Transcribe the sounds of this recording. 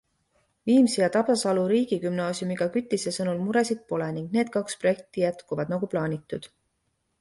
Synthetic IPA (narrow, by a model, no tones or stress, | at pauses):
viːmsijɑt̪ɑb̥ɑsɑluɾiːɡ̥ikymnɑːsjumiɡ̥ɑkyt̪ʲːˑise̞sɤnulmuɾe̞sid̪̥̚po̞leniŋɡ̥ne̞ːd̪̥̚kɑkspro̞je̞k̚t̪ijæt̪kuvɑd̪nɑɡ̥uplɑːnʲit̪ːˑud̪̥